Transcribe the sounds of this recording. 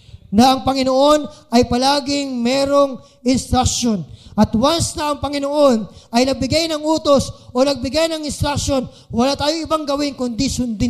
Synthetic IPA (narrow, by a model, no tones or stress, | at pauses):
nɐʔɐŋpɐŋɪnoʔo̞nɐjpɐlaːɡɪŋmɛːɾo̞ŋ | ʔɪnst̪ɾak̚ʃo̞nʔɐt̪wansnɐʔɐŋpɐŋɪnoʔo̞nʔɐjnɐɡ̚bɪɡajnɐŋʔuːt̪o̞sʔo̞nɐɡ̚bɪɡajnɐŋɪnst̪ɾak̚ʃo̞n | wɐlaːt̪aːjoɪbaŋɡɐwɪnkʊŋd̪ɪsʊnd̪ɪ